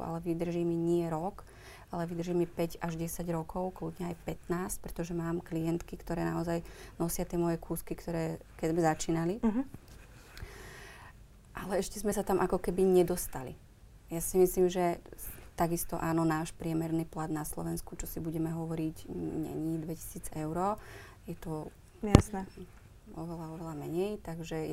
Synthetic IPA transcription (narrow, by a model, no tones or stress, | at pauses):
ua̰lɛʋid̪r̩ʒiːmiɲɪɛɾɔk | alɛʋid̪r̩ʒiːmipɛɟaʒɟɛsaɟɾɔkʰɔʊklud̪ɲaːjpɛt̪naːsc̚pɾɛ̥t̪ɔʒɛmaːmklijɛnt̪kikt̪ɔɾɛːnaɔzajnɔsɪat̪ɪɛmɔjɛkʰuːskikt̪ɔɾɛːkɛzmɛzat͡ʃiːnali | ʔalɛɛʃcɛzmɛsat̪amʔakɔkɛbiɲɛd̪ɔst̪alḭ | jasimisliːmʒɛt̪aɡist̪ɔʔaːnɔnaːʃpɾɪɛmɛɾniːplad̪naslɔ̰ʋɛnskut͡ʃɔsibuɟɛmɛɦɔʋɔɾiɟɲɛ̰ɲid̪ʋɛci̥siːd͡zɛʊɾɔː | jɛt̪ɔ | asnɛ | ɔʋɛlaɔʋɛlamɛɲɛjt̪aɡʒɛ